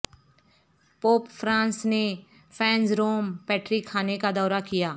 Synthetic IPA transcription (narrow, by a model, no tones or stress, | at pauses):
poːpfʰɾãːnsneː | pʰɛ̃ːnsɾoːmpɛːʈɾiːkʰːaːnekad̪ɔːɾakɪjaː